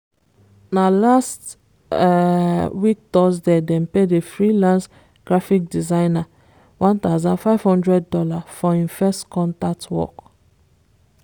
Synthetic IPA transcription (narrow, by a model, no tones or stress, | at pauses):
nalast | wik̚tɔsdɛdɛ̃mpedefɹilãns | ɡ̥ɹafik̚dizãɪna | wʔãnt̪aʊzɔ̃nfaɪv̥hɔ̃ndɹɛddɔlafɔĩnfɛstkɔ̃ntatwɔ̰k